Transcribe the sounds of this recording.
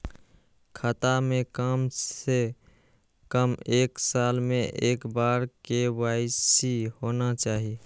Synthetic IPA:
kʰat̪amekame | kəmeːksaːlmẽʔeːkbaɾkewaɪsihonat͡ʃaːɦi

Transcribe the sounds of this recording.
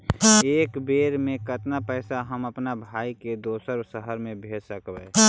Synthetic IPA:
eːkbeːɾmẽkət̪napɛːsaɦəməpnabʱaːiked̪oːsəɾbsəɦəɾmẽbʱeːsəkbɛ

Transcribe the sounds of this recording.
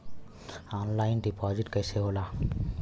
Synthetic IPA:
ɔnlajnɖipɔd͡ʑiʈkəseɦola

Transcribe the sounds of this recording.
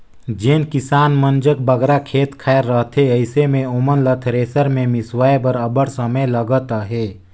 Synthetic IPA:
d͡ʒenkɪsaːnmənd͡ʒək̚bəɡɾakʰeːt̪kʰaːɾːəɦt̪ʰeəɪsemẽomənlət̪ʰɾeːsəɾmẽmɪswaːjbəɾəbəɽsəməjləɡət̪aɦeː

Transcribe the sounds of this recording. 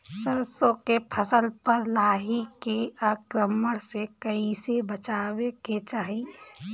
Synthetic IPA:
səɾsokepʰəsəlpəɾlaːɦikeaːkɾəməɽsekəisebət͡ʃaːweket͡ʃaːɦi

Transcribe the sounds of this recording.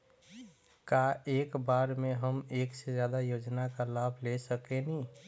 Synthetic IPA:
kaeːkbaɾmeɦəmeːksed͡ʒjaːd̪ajod͡ʒnakalabʱlesəkeni

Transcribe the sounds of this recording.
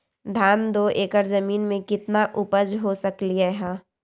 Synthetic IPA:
d̪ʱaːnd̪oʔeːkəɾzəmiːnmẽkɪt̪naʔʊpəd͡ʒɦosəkliɛɦãː

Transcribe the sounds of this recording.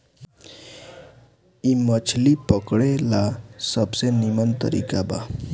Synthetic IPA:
imʌt͡ʃʰlipʌkɽelasʌbsenimʌnt̪ʌ̰ɾḭkaba̰

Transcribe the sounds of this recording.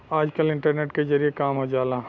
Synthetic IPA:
aːd͡ʒkəlɪ̃ɳʈəɾneːʈkezɐɾijekaːmɦod͡ʒaːlaː

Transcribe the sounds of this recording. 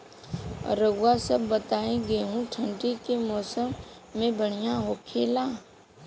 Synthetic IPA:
ɾəɡʊwasəbːət̪aːẽɡeɦũʈʰə̃ɳʈikemɔːsəmː | ẽbʱəɽ̤̃ijãɦoːkʰeːlaː

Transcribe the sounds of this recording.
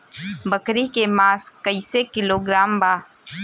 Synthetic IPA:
bəkɾikemaːskəɪsekɪloɡɾaːmbaː

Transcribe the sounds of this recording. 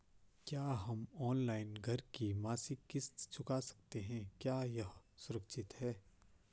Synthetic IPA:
kjaːɦɐmɔːnlaːɪnɡʱɐɾkimaːsikɪst̪t͡ʃʊkasɐ̥k̚t̪eɦɛ̃kjaːjɐɦsʊɾəkʃɪt̪hɛː

